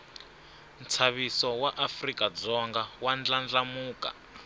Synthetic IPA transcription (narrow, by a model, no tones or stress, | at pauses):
m̩t͡sʰaβisɔwaʔafrikad͡zɔŋɡawand͡ɮand͡ɮamuːka̰